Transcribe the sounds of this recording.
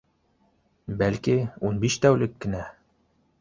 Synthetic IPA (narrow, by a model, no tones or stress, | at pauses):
bælkiunbiʃt̪æwlɘkːɘ̆næ